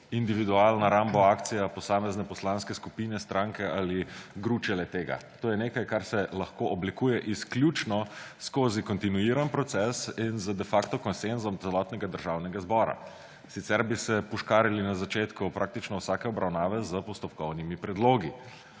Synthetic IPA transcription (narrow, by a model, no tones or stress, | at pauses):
ind̪iʋid̪ualnaɾambaaːkt̪sijapɔsaːmɛznɛpɔslanskɛskupiːnɛst̪ɾaŋkɛaliɡɾut͡ʃɛlɛt̪eːɡa̰t̪oːjɛneːkajkaɾsɛlɐxkoʔɔblikuːjɛʔisklʲjut͡ʃnɔskoːzikɔnt̪inuiɾanpɾɔt̪sɛsinzəd̪ɛfaːkt̪ɔkɔnsenzɔmt̪sɛlɔːt̪nɛɡad̪əɾʒawnɛɡazbɔːɾa̰ | sit̪sɛɾbisɛpuʃkaːɾilinazat͡ʃeːt̪kupɾʔak̚t̪it͡ʃnɔwsaːkɛɔbɾʔawnaːʋɛzəpɔst̪ɔpkɔwnimipɾɛd̪loːɡi